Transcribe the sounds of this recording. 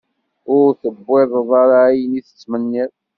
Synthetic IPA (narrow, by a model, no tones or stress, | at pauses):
ʊɾθəbːeðˤðˤɑɾajəniθə̥t͡sːmənːɪðˤ